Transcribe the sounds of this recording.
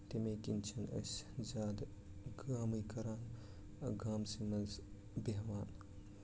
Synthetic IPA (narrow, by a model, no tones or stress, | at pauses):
t̪emekint͡ʃʰɐnɐ̰szaːd̪ | ɡaːmijkɐɾaːn | ɐɡaːmsimɐnz | beɦʋaːn